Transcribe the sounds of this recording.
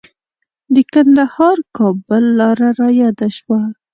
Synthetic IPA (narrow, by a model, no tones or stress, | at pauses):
d̪əkand̪ahɑɾkɑbəlːɑɾaɾɑjɑd̪aʃwa